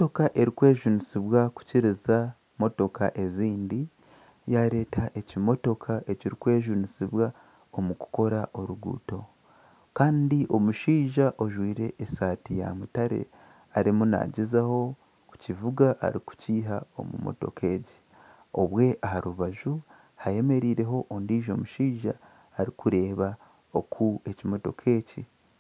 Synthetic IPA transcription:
moto̞kaʔe̞ɾikwe̞ːʒunisiβwaku̥ciɾiza | mo̞to̞ka̰ʔe̞ziːndi | jaɾe̞ːtaʔe̞cimo̞to̞kʰaʔe̞ciɾikwe̞ːʒunisiβwa | o̞muku̥ko̞ɾaʔo̞ɾuɡṵːto̞ | kaːndiʔo̞muʃiːʒaʔo̞ʒwiːɾe̞ʔːsaːtija̰mutaɾe̞̰ | aɾimuna̰ɟizaho̞ | ku̥civuɡaʔa̰ɾiku̥ciːɦao̞̰mṵmo̞̰to̞̰kʰe̞ɟi̥ | o̞βwe̞ʔaɦaɾuβaʒu | haje̞me̞ɾiːɾe̞ɦo̞ʔondiːʒo̞muʃiːʒaː | ɾikuɾe̞ːβa | okʰue̞cimo̞to̞̰kʰe̞ːci

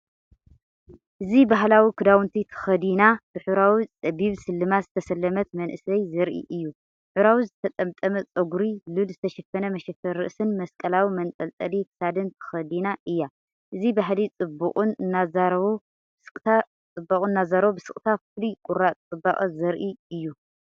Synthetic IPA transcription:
ʔɨzibaɦlawikʰɨd̪awɨnt̪ʰit̪ʰɐ̥xɐd̪inab̥ɨħuɾawit͡sʼɐbiβsɨlːɨmazɨt̪ʰɐsɐlːɐmɐt̪mɐnʔɨsɐjzɐɾʔḭʔɨjːu | ħuɾawizɨt̪ʰɐt̪ʼɐmt̪ʼɐmɐt͡sʼɐɡuɾilulzɨt̪ʰɐʃɐfɐnɐmɐʃɐfɐɾːɨ̰ʔsɨnmɐskʼɐlawimɐnt̪ʼɐlt̪ʼɐlikʰɨ̥sad̪ɨnt̪ʰɨ̥xɐd̪inaʔɨjːa | ʔɨzibaɦlit͡sʼɨbːuχʼunɨnːazaɾɐβo | sɨkʼt̪ʰa | t͡sʼɨbːɐkʼuɨnːazaɾβobɨsɨkʼt̪ʰaflikʼuɾat͡sʼɨbːaχʼɐzɐɾʔiɨjːu

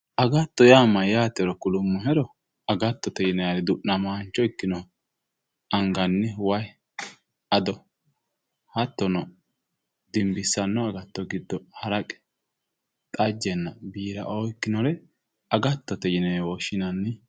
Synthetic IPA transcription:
ʔɐɡɐt̪ːɔjaːmɐjaːt̪ɛɾɔkʊlʊmːɔɦɛɾɔ | ɐɡɐt̪ːɔt̪ɛjɪnɛjaɾɛd̪ʊʔnɐmaːnt͡ʃːɔɪkːɪnɔ | ɐŋɡɐnːɛwɐj | ɐd̪ɔ | hɐt̪ːɔnɔ | d̪ɪmbɪsːɐnːɔɐɡɐt̪ːɔɡɪd̪ːɔhɐɾɐkʼɛ̥ | t̪ʼɐd͡ʒɛnːɐbiːɾɐ̰ʔoːɪkːɪnɔɾɛ | ɐɡɐt̪ːɔt̪ɛjɪnɛjwɔʃɪnɐnːɪ

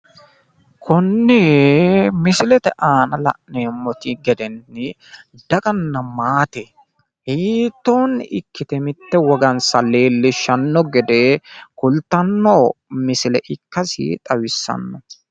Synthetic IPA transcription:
kʰʊnːɛ | mɪsɪlɛt̪ɛʔaːnɐlɐ̰ʔneːmːɔt̪ɪɡɛd̪ɛnːɪ | d̪̥ɐkʼɐnːɐmaːt̪ɛ | hiːt̪ːo̞ːnːɪ̰ʔɪkːɪt̪ɛmɪt̪ːɛwɔɡɐnsɐle̞ːlːɪʃɐnːɔɡɛd̪eːkʊlt̪ːɐnːoːmɪsɪlɛʔɪkːɐsɪ̰t̪ʼɐwɪsːɐ̰nːɔ

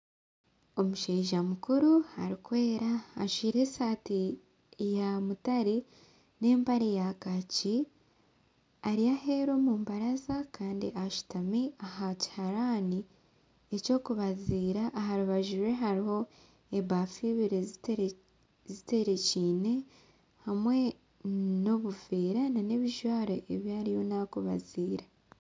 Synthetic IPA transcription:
o̞muʃeːʒamukuɾuha̰ɾikwe̞ːɾaːʃiːɾe̞saːti | jamutaɾi | ne̞ːmpaɾejakaci | aɾiahe̞ːɾo̞mumbaɾazakaːndiʔaʃu̥tamiahaci̥haɾaːni | eco̞ːkuβaziːɾaʔːɦaɾuβaʒiɾwe̞ɦaɾiho̞ | e̞βaːfiβiɾe | zite̞ɾe̞ciːne̞ | hamwe̞ | no̞βuveːɾanane̞βiʒwaːɾeʔeβjaːɾijo̞nakuβa̰ziːɾa

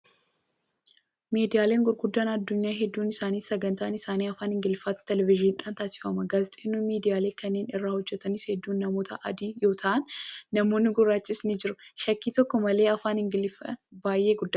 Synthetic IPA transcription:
miːd̪ɪjaːle̞ːŋɡʊɾɡʊd̪ːaːnɐd̪ːʊɲːaːɦɛd̪ːuːnɪsaːniːsɐɡɐnt̪aːnɪsaːniːɐfaːnɪŋɡɪlɪfaːt̪t̪ɛlɛvɪʒɪɪᶑaːnt̪aːsɪ̥fɐmɐɡaːzɪt̪ʼeːnːuːmiːd̪ɪjaːle̞ːkɐnːeːnɪrːaːhɔd͡ʒːɛt̪ɐnɪshɛd̪ːuːnːɐmo̞ːt̪ʰɐʔɐ̰d̪iːjo̞ːt̪ʰɐʔɐnːɐmo̞ːnːɪɡʊrːaːt͡ʃːɪsnɪd͡ʒɪɾʊʃɐkːiːt̪ɔkːɔmɐle̞ːɐfaːnɪŋɡɪlɪfɐbaːjʔe̞ːɡʊd̪ː

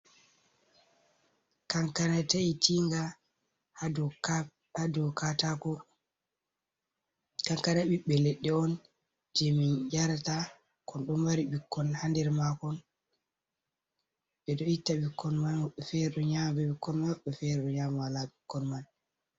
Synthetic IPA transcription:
kaŋkanataitʰiŋɡa | h | adɔkatakɔ | kaŋkanaɓiɓːɛlɛɗːɛɔn | d͡ʒɛmind͡ʒaɾata | kɔnɗɔmwaɾibikːɔnhandɛɾmakɔn | ɓɛdɔitːabikːɔnmanmaɓːɛfɛɾɛɗɔɲambɛɓikːɔnmɓːɛfɛɾɛɗɔɲamawalaɓikːɔnman

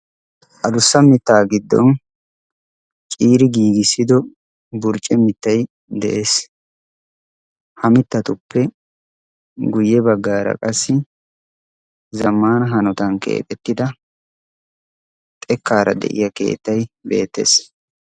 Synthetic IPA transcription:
ʔɐd̪ʊsːɐmɪt̪ːaːɡɪd̪ːɔ̰n | t͡ʃʼiːɾɪɡiːɡɪsːɪd̪ɔ | bʊɾt͡ʃʼɛmɪt̪ːɐj | d̪ɛʔe̞ːs | hɐmɪt̪ːɐt̪ʊpːɛ | ɡʊjːɛbɐɡːaːɾɐ̰kʼɐsːɪ | zɐmːaːnɐɦɐnɔt̪ɐnke̞̰ːt̪ʼɛt̪ːɪd̪ɐ | t̪ʼɛkːaːɾɐ̰d̪ɛ̰ʔɪ̰jɐke̞̰ːt̪ːɐjbe̞̰ːt̪ːḛs

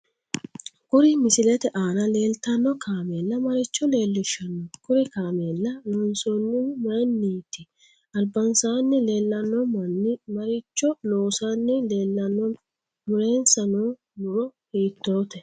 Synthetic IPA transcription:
kʊɾɪmɪsɪlɛt̪ɛʔaːnɐle̞ːlt̪ɐnːɔkaːmeːlːɐmɐɾɪt͡ʃːɔle̞ːlːɪʃːɐnːɔkʊɾɪkaːmeːlːɐnonsɔnːɪmɐjnːiːt̪ɪ | ɐlbɐnsaːnːɛle̞ːlːɐnːɔmɐnːɪmɐɾɪt͡ʃːɔnoːsaːnːɛle̞ːlːɐnːɔ | mʊɾe̞ːnsɐnoː | mʊɾɔhiːt̪ːo̞ːt̪ɛ

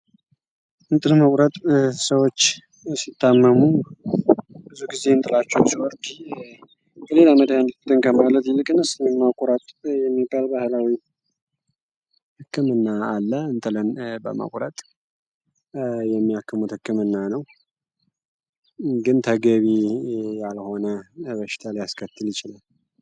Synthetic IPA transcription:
ʔɨnt̪ʼɨlməkʷʼɾət̪ʼsəwo̞t͡ʃː | sit̪ːamːəmu | b̥ɨzuɡize̞ɨnt̪ʼɨlat͡ʃːɛwsiwɔɾd̪i | bəle̞laməd̪jand̪ɨt̪ʰːɨnkʰəmalət̪jɪlɨkʼɨnɨsɨnɛmːakʷʼɾət̪ʼjɛmːibːalbahlawi | hɨkːɨmɨnːaːlːəɨnt̪ʼɨlənbə̰ma̰kʷʼɾət̪ʼ | jɛmːijakːɨmut̪hɨkːɨmɨnːanəw | ɡɨnt̪ʰəɡəβijalho̞nəbəʃɪ̥t̪ʰalijaskʰət̪ːɨljɪt͡ʃɪlal

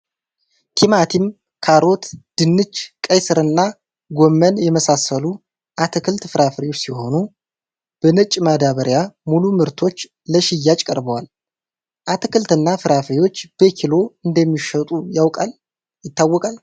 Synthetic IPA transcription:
t̪ʰimat̪ʰim | kʰaɾo̞t̪d̪̥ɨnːɨt͡ʃkʼəjsɨɾɨnːa | ɡomːənjɛməsasəlu | ʔat̪ʰɨkʰɨlt̪fɨɾafɾiwot͡ʃːsiho̞nu | b̥ənɨt͡ʃʼːmad̪aβəɾjamulumɨɾt̪ʰo̞t͡ʃː | ləʃijːat͡ʃʼkʼəɾbəwal | ʔat̪ʰɨkɨlt̪ɨnːafɨɾafɾiwo̞t͡ʃːb̥əkʰilo̞ɨnd̪əmːiʃət̪ʼujawkʼal | jɪt̪ːawːɔkʼal

